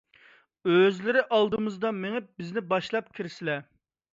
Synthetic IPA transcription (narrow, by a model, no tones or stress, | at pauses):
øzlɪɾɪʔɑlˠd̪ɨmɨzd̪ɑmeŋɪp̚bɪznɪbɑʃlˠɑp̚kʲʰiɾsɪlɛ